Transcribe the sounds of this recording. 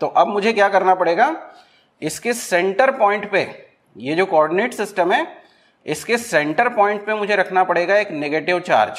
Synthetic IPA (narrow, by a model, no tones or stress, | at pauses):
t̪oːʔɐbmʊd͡ʒʱekjaːkɐɾnapɐɽeːɡaː | ɪskesɛ̃ɳʈəɾpɔ̃ːɪ̃ɳʈpḛ | jed͡ʒoːkoɔːɾɖɪneːʈsɪsʈəmɦɛː | ɪskesɛ̃ɳʈəɾpɔ̃ːɪ̃ɳʈpemʊd͡ʒʱeɾɐkʰnapɐɽeːɡaeːkneɡeːʈɪʋt͡ʃa̰ːɾd͡ʒ